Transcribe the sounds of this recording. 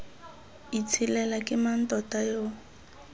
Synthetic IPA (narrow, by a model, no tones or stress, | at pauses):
it͡sʰilɛlakʼɪman̩tʼɔtʼajo